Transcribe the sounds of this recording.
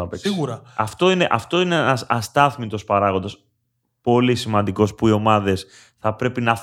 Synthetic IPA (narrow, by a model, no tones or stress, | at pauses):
ɐpeksiɣuɾɐɐft̪o̞ine̞ʔɐft̪o̞ineɐsɐst̪ɐθmit̪o̞spɐɾɐɣond̪ɐs | po̞lisimɐnd̪iko̞spuio̞mɐðe̞s | θɐpɾe̞pinɐ